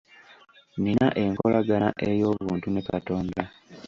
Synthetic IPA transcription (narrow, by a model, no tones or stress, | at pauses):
ninaʔe̞ŋko̰lʔaɡanaʔe̞jo̞ːβuːntunekato̞ːnda